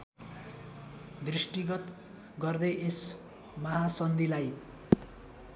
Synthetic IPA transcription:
d̪risʈiɡʌt̪ | ɡʌrd̪eʔes | mʌɦasʌnd̪ilaj

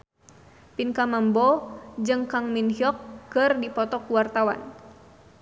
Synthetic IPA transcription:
pinkamambɔd͡ʒɨŋkaŋminhiɔkːɨrdipɔt̪ɔkuwart̪awa̰n

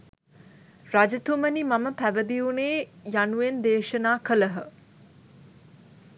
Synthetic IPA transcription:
rad͡ʒɐt̪umənimɐməpæʋəd̪iuneːjanuend̪eːʃənaːkələɦə

